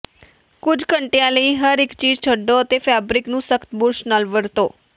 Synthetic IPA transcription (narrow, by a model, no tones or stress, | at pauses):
kʊd͡ʒʱkəɳʈejãləiɦəɾɪkt͡ʃiːd͡ʒt͡ʃʰəɖːoət̪efɛbɾɪknũsəkt̪bʊɾsnalʋəɽt̪oː